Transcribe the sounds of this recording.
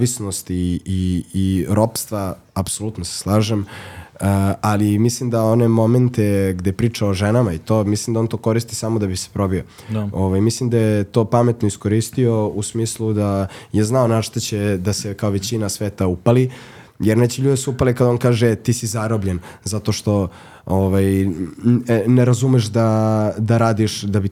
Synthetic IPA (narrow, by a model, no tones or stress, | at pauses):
ʋisnost̪iː | ɾo̞pst̪ʋa | apsolˠut̪nose̥slˠaːʒeməalimislimd̪aonemo̞ment̪eɡd̪ejepɾiːt͡ʂaoʒenamait̪o̞ːmislimd̪aont̪o̞ko̞ɾist̪i̥saːmod̪abise̥pɾo̞bio | o̞ʋajmislimd̪ajet̪opamet̪noisko̞ɾist̪io̞usmiːslˠud̪ajeznaonaʂt̪at͡ɕed̪asekaoʋet͡ɕinasʋeːt̪aupali | jeɾnet͡ɕeʎuːd̪esuupalikad̪ao̞nkaːʒet̪iːsizaɾobʎenzat̪o̞ʃt̪o̞ | oʋaj | neɾazumeʃd̪ad̪aɾaːd̪iʃd̪abi